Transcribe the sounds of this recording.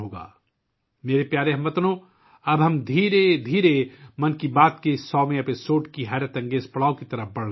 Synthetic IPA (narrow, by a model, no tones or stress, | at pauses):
ɦoːɡa̰ː | meːɾepjaːɾeɦɐ̃mʋɐt̪nõː | ɐbɦɐmd̪ʱiːɾed̪ʱiːɾemɐnkibaːt̪kesːɔːmẽpesoːʈkiɦaːɾjət̪ɐ̃ŋɡeːspɐɽaːõkit̪ɐɾəbɐɽl